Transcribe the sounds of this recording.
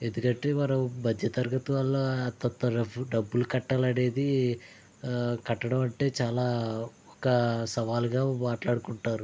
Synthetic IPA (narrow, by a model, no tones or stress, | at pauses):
end̪ukɐɳʈːeːʋɐɾɐbʱɐd̪ʱjɐt̪ɐɾɡɐt̪uʋɐlːoːɐt̪ːɐt̪ːɐɖɐbːulukɐʈːɐlɐɽeːd̪i | kɐʈːɐɽɐmɐɳʈe̞ːt͡ʃaːlaː | ɔkɐsɐʋaːluɡaːmaːʈlaːɽukuɳʈaːɾu